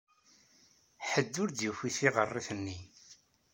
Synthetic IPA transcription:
ħəd̪ːʊɾd̪jufiθiʁərˤːiθənːi

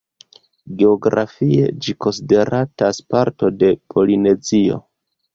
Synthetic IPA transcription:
ɡe̞oɡɾa̰fie̞̰d͡ʒiko̞nside̞ɾataspaɾto̞de̞pʰo̞line̞zio̞̰

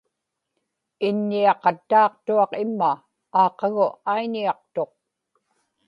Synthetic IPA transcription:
ɪnːiɑqɑt̪ːɑːq̚t̪uɑqɪmːaː | qɑɣʊʔaiɲiɑqt̪o̞q̚

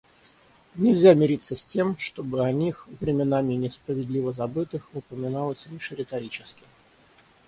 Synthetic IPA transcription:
nʲɪlʲzʲamʲɪɾʲit̪sːəsʲtʲe̞mʂt̪o̞bɨɐnʲixvɾʲɪmʲɪnamʲɪnʲɪspɾəvʲɪd̪lʲivəzɐbɨt̪ɨxʊpəmʲɪnalˠəsʲlʲiʂɾʲɪt̪ɐɾʲit͡ɕɪskʲɪ

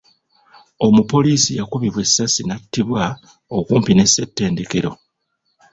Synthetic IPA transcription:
o̞mupo̞liːsijakuβiβwe̞sːasinatːiβwa | okuːmpine̞se̞tːe̞ːnde̞ke̞ɾo̞

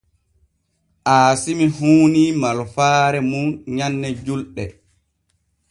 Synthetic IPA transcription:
ʔaːsimihuːnimalfaːɾɛmunɲanːɛd͡ʒulɗɛ

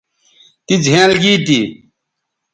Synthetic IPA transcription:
t̪id͡ʑʱẽːlɡiːt̪i

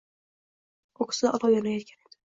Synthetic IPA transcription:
okʰɪ̥sɪd̪aʔɒlˠɒwjɒnajɒt̪̚kʲane̞d̪̥ɪ

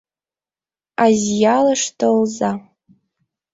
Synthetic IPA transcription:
azjalɐʂtʰolza

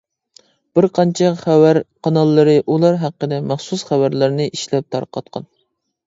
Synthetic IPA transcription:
b̥ɪɾqʰɑnt͡ʃʰɛχæwæɾqʰɑnɑlˠːɨɾɨʔulˠɑɾɦæqːəd̪ɛmɑχsusχæwæɾlɪɾnɪʔiʃlɛp̚t̪ʰɑ̰ɾqʰɑ̰t̪̚qʰɑ̰n

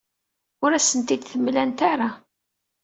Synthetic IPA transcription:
ʊɾæsənt̪id̪θəmːlænt̪aɾa

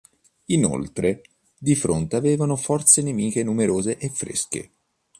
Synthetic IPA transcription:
ino̰lt̪ɾe | d̪ifɾont̪eaveːvanofɔrt̪senemiːkenumeɾoːzeʔefːɾḛskḛ

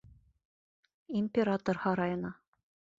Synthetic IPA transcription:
imʲpʲeɾat̪ŏrhɑɾɑjɤ̆nɑ

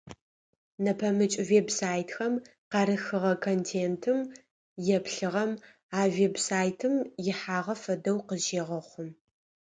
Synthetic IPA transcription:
nɐpʰɐmɨt͡ʃʼveːbsaːjtxɐm | qɑɾɨxɨʁɐkʰontʰeːntʰɨm | jɛpʰɬɨʁɐm | aːvebsaːjtʰɨmjɪħaːʁɐfɐdɐwqəʒeːʁɐχʷʊm

